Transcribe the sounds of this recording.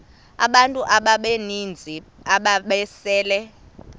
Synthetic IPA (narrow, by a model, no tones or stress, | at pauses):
a̰ɓantʼuʔaɓaɓenind͡zʱiaɓaɓɛsɛːlɛ